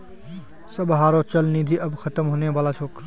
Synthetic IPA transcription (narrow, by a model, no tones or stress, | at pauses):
səbɦaːɾoːt͡ʃəlniːd̪ʱiːʔəbkʰət̪əmɦoːneʋaːlaːt͡ʃʰoːk